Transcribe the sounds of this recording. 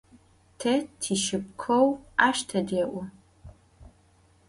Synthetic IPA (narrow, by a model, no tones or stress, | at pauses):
tʰɐtʰiʃɨp̚kʷʰowaːʃtʰɐdeːʔʷʊ